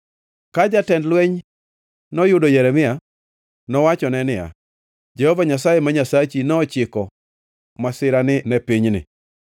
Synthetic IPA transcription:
kad͡ʒatɛndlwɛɲ | nɔjʊdojɛɾɛmɪa | nɔwat͡ʃɔnɛnɪja̰ | d͡ʒɛhɔvaɲasajemaɲasat͡ʃinɔːt͡ʃɪkɔ | masɪɾanɪnɛpiɲnɪ̰

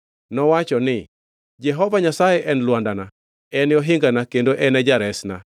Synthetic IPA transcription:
nɔwat͡ʃɔnɪ | d͡ʒɛɦɔvaɲasajɛʔɛnlwandana | ɛnɪɔɦɪŋɡanakendoʔɛnɛd͡ʒaɾɛsna̰

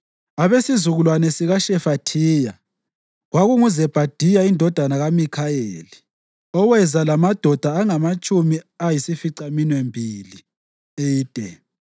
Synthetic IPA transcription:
aβesizuɣulwanɛsiɣaʃɛfatʰiːja̰ | ɣwaɣuŋuzɛb̥ʱad̥ʱijaindʱɔd̥ʱanaɣamikʰaeli | ɔwɛzalamad̥ʱɔd̥ʱaːŋamat͡ʃʼumiajisifiǀaminwembʱili | eiːd̥ʼʱɛ

